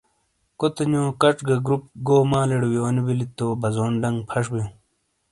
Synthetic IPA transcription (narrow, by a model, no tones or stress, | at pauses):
kot̪ɐnõːkɐʈ͡ʂɡɐɡɾup̚ɡoːmãːleɽwionibilit̪ːoːbɐzoːnɖɐŋɡpʰɐʂbĩ